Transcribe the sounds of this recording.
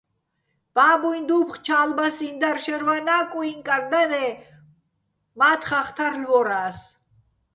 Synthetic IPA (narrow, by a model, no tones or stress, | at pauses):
b̥aːbujnd̪upχt͡ʃʰaːlbasind̪aɾʃɛɾvanaːkʼuiŋkʼaɾd̪anɛ | maːt̪ʰχaχt̪ʰaɾlvɔɾaːs